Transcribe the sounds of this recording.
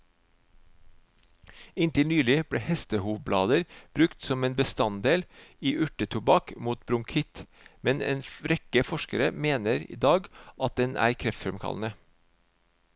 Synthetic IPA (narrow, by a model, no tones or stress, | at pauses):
ɪnt̪ɪlnyːlɪb̥ɽeːhɛst̪əhuːʋblɑ̰ːd̪əɾb̥ɾʉkt̪sɔmeːnbəst̪ɑnd̪eːliːʔʉʈət̪ʰʊbɑkmuːt̪̚bɾʊŋkʰɪt̪ | mɛnḛːnɾɛkəfɔʃkəɾəmeːnəɾḭːd̪ɑːɡʔɑt̪̚d̪ɛnæ̰ːɾkʰɾɛft̪fɛmkʰɑ̰lnə